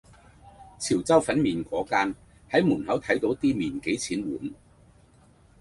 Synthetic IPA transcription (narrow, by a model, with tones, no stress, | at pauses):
t͡sʰiː˨˩wt͡sɐ˥wfɐ˨˥nmiː˨nkʷɔː˨˥kaː˥n | hɐ˨˥jmuː˨˩nhɐ˨˥wt̪ʰɐ˨˥jt̪o˨˧˥wt̪iː˥miː˨˩nke˨˥jt͡sʰiː˨˥nwuː˨˥n